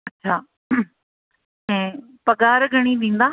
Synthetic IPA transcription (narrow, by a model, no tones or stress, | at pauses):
ətːʃʰaː | ɛ̃ː | pəɡaːɾɡəɽ̃iːd̪ɪ̃ːnd̪aː